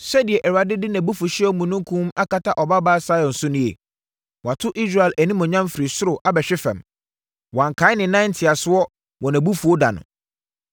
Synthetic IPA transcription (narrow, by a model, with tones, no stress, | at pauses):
sɛ˦dɪ˨ɛ˨ʔɛ˨ɾa˨dɪ˦dɪ˦næ̃˨bu˦fʊ˨ɕɪ˦ɛ˦mũ˨nʊ̃˦ŋ˦kʰũ˦m˦a˦kʰa˨tʰa˦ʔɔ˨ba˦baː˦sa˦jɔ̃˨n̩˨sʊ˦nʊ̃˦jḛ˨ | wɔ˨a˨tʰʊ˦ʔi˦s̬ɾa˨ɪ˨læ˨nĩ˦mɔ̃˨ɲã˦m˦fɪ˨ɾi˨sʊ˦ɾʊ˨ʔa˦bɛ˨ɕᶣɪ˦fɛ̰̃˨m | wɔ˨ã˨ŋ˨kʰa˨˦ɪ˦nɪ̃˨nã˦ntʰɪ˨a˨sʊ˦ɔ˦ | wʔɔ̃˨næ̃˨bu˦fu˨o˦da̰˨nʊ̰̃˨